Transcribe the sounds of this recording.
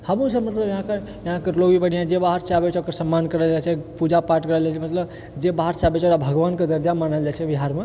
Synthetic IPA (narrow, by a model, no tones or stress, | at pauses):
həmũsəbmət̪ləbjɦãkəɾ | jɐɦãkəɾloɡibəɽ̤ijãd͡ʒebaɦəɾt͡ʃabet͡ʃʰokəɾsəmːankəɾəld͡ʒat͡ʃʰɛpud͡ʒapaɾʈkəɾəld͡ʒat͡ʃʰɛmət̪ləb | d͡ʒebaɦəɾt͡ʃabet͡ʃʰoɽabʱəɡʋankəd̪əɾd͡ʒamanəld͡ʒat͡ʃʰɛbiɦaɾme